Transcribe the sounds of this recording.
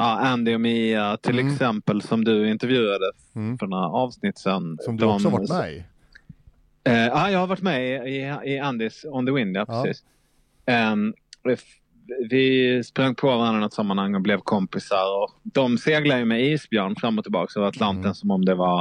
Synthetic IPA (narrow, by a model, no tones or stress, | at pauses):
ʔɑːʔænd̪ɪɔmiːat̪ʰɪlɛksɛmpəlsɔmd̪ɵɪnt̪ɛɾvjʉ̟ːɾad̪ə | fœɖɛnhæ̰ɾɑːvsnɪt̪ːsɛnd̪ɔm | ɑːjɑːɡhaɾvaʈːmɛɪɪɪand̪ɪsɔnd̪əwɪnd̪ɪapʰɾɛsḭːs | vɪspɾaŋːpʰɔvaɾanənɔt̪samːanhaŋːɔblɛvkʰɔmpɪsaɾɔd̪̥ɔmseːɡlad̪əjəmɛiːsbjœːɳfɾamːɔt̪ʰːɪlbɑ̰ːksɔat̪ʰlant̪ənsɔmɔmd̪ɛva